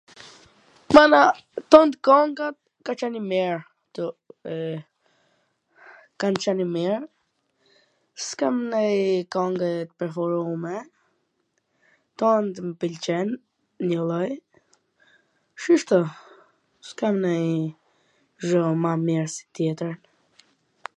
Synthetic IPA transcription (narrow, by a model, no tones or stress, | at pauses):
mana | t̪ɔnt̪kɔŋɡat̪̚ | kat͡ʃɛnimɛɾ | t̪uɛ | kant͡ʃɛnimɛɾ | skamnɛjkɔŋɡɛt̪əpɛɾfɔɾumɛ | t̪ɔnd̪məpəlt͡ʃɛn | ɲɔlˠɔj | ʃiʃt̪ɔ | skamnɛj | ʒɔmamɛɾsi̥t̪jɛt̪ɾən